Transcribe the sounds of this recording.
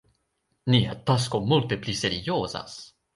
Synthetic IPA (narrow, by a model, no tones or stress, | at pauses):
niat̪as̬komult̪epliseɾioːza̰s